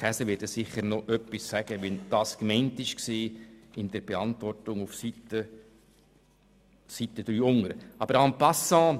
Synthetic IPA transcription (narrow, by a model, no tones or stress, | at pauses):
χæsəʋɪɾdəsɪχəɾnoʔœpːisːæɡ̥əʋɛnd̥ɑːskmɛɪntɪʃkseːɪnd̥ɛɾb̥eɑntvɔrtʊŋufsitə | sit̪əd̥̪ɾyːʊŋəɾəɑb̥əɾɑmpɑsɑ̃ː